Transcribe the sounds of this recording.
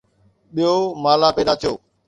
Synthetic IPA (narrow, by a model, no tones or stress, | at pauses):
ɓijomaːlapeːd̪at̪ʰijoː